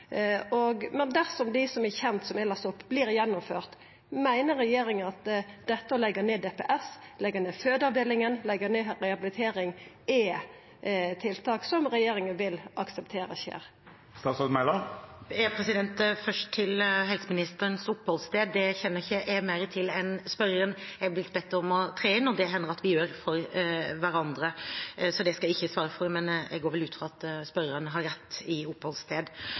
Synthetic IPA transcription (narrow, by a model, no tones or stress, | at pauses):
ɔɡmɛnd̪æʁsɔmd̪ɪɪsɔmɛçɛnt̪sɔmælɑst̪ʊpːbliːɾjɛnːʊmføːʁt̪ | mæɪnəɾːɛjeːɾɪŋənɑt̪d̪̥ɛt̪ːəɔlɛɡəneːd̪epeːʔɛslɛɡəneːføːd̪ɑʋd̪eːlɪŋənlɛɡəneːɾɛɑbɪlɪt̪ʰeːɾɪŋʔɛ | t̪ʰɪlt̪ʰɑːksɔmɾɛjeːɾɪŋənʋɪlɑksəpt̪ʰeːɾə̰çḛːɾ | st̪ɑːt̪sɑt̪mæɪlɑɛpʰɾɛsɪd̪ɛnt̪fœʂʈt̪ʰɪlɦɛlsəmɪnɪst̪əɾənsʊpːhɔlst̪eːd̪ːɛçɛnːəɾɪçːəʔɛmæɪɾət̪ʰɪlɛnspœɾəənɛblɪt̪̚ːbɛt̪ːəɔmɔt̪ʰɾeːɪnːɔd̪ɛɦɛnːəɾɑt̪ʋɪjøːɾfɔɾʋæɾɑnd̪ɾəsɔd̪ɛskɑlɪçːəsʋɑːɾəfɔɾmɛnd̪ɛɡoːɾʋɛlʉːt̪fʁɑɑt̪spœɾəənəɦɑɾɾɛt̪ːɪʊpːhɔlst̪ʰeːd̪